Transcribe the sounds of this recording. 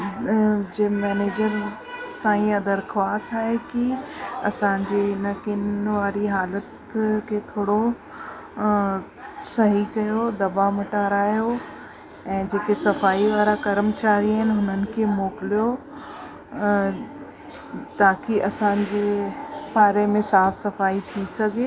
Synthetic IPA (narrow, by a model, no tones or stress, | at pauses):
d͡ʑeːmɛːneːd͡ʑəɾ | sãːĩɐd̪əɾxʋaːsaːɦekiɐ̰sãːɲd͡ʑeɪnəkɪnʋaːɾiɦaːlət̪ | kʰeːt̪ʰoːɽo | sɐɦikɐjod̪ɐbamɪʈaːɾaːjo | ɛ̃ːd͡ʑeːkesɐfaːiʋaːɾakɐɾmt͡ɕaːɾiaɦɪnɪɦʊnənɪ̆kʰeːmoːkɪlijo | t̪aːkiʔɐsãːd͡ʑeːbaːɾemẽsaːfsɐfaːit̪ʰisɐɡʱe